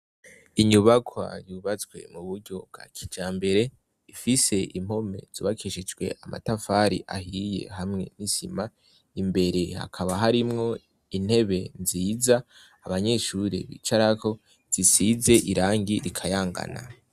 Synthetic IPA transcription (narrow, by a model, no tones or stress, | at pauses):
iɲuβakʰwa̰juβat͡swe̞̰muβuɾɟo̞b̚ɡa̰kʰid͡ʒaːmbe̞ɾe̞ | ifise̞ʔim̥ho̞me̞̰z̥uːβakʰiʃid͡ʒɡwe̞̰ʔama̰tafaɾḭʔa̰hije̞̰ɦamŋe̞̰nisima | imbe̞ɾe̞ha̰kʰaβaɦaɾimŋo̞ | in̥he̞βe̞nziːzaː | βaɲe̞ʃuɾḛβḭt͡ʃaɾako̞ | z̥isize̞ʔiɾaːŋɡiɾikʰajaːŋɡa̰na̰